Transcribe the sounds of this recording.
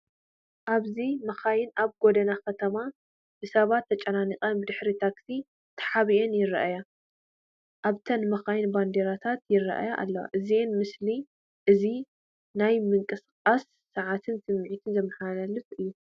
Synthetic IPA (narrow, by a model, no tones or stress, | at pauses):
ʔaβzimɐxajɪnaβɡod̪ɐnakɐt̪ʰɐma | b̥ɨsɐβat̪ʰːɐt͡ʃʼɐnaniqʼɐnbɨd̪ɨħɾit̪ʰaksi | t̪ʰɐ̥ħaβienjɪɾɐʔaja | ʔaβt̪ʰɐnmɐxajɪnband̪eɾat̪ʰat̪jɪɾɐ̰ʔa̰jaʔa̰lːɐwa̰ʔɨzienmɨsli | ʔɨzi | najmɨŋkʼɨsɨqʼasːɐʕat̪ʰɨnsɨmːɨʕit̪ʰɨnzɐmːɐħalalɨfʔɨjːu